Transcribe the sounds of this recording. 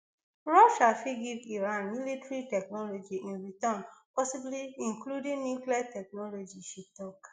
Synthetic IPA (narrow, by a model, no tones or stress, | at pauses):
ɹɔʃalfiɡiviɹãnmilitɹitɛk̚nɔlɔd͡ʒiʔĩnɹitɔ̃npɔsibliĩnkludĩŋnjukliatɛk̚nɔlod͡ʒiʃitɔk